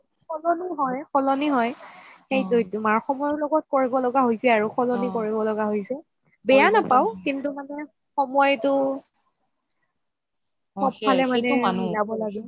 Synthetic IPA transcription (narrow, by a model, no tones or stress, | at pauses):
xʰɔlɔniɦɔjxɔlɔniɦɔjxejdojtumaɹxɔmɔjlɔɡɔt̚koɹibɔlɔɡaɦojsɛaɹuxʰɔlɔnikoɹibɔlɔɡaɦojsɛ | bɛjanapaʊkintʊmanɛ | xɔmɔjtʊ | ɔb̚ʰalɛmanɛanzabɔlaɡi